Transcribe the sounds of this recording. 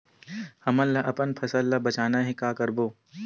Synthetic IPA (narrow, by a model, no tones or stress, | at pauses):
hɐməlːaʔɐpənpʰɐsəlːabɐt͡ʃaːnaɦɛkaːkɐɾboː